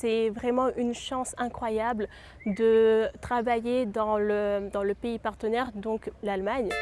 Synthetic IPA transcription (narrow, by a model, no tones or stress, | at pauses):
sɛvʁɛmɑ̃ʔynʃɑ̃sɛ̃kχwajabl | d̪ət̪χavajed̪ɑ̃ləd̪ɑ̃ləpeipaʁt̪ənɛʁd̪ɔ̃klalmaɲ